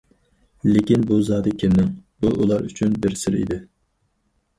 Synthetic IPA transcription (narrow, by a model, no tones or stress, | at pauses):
lɪkʲinbuzɑːd̪ɨkʲʰenːɪŋbuʔulˠɑɾyt͡ʃʰynbɪɾsɪɾḭd̪ɪ